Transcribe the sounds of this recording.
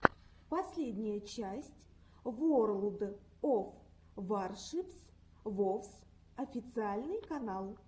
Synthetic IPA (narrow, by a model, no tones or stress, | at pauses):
pɐsʲlʲedʲnʲɪjət͡ɕæsʲtʲ | vorlˠd̪ə | of | varʂɨps | vofs | ɐfʲɪt̪sɨalʲnɨjkɐnalˠ